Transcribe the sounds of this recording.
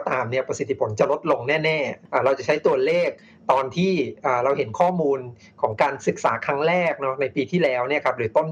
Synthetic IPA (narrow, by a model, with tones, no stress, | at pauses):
t̪aː˧mni˥˩ɐpɾa˧si˨˩t̪ʰːi˦˥pʰo˩˦nt͡ɕa˨˩lo˦˥t̪̚lo˧ŋnɛː˥˩nɛː˥˩ʔaː˧˩ɾa˧wt͡ɕa˨˩t͡ɕʰa˦˥jt̪u˧ɐleː˥˩k̚ | t̪ɔː˧nt̪ʰiː˥˩ʔaː˨˩ɾa˧wɦe˩˦nkʰɔː˥˩muː˧n | kʰɔː˩˦ŋkaː˧nsɯ˨˩k̚saː˩˦kʰɾa˦˥ŋɾɛː˥˩k̚nɔ˦˥na˧jpiː˧t̪ʰiː˥˩lɛː˦˥wni˥˩ɐkʰa˦˥p̚dɯː˩˦t̪o˥˩n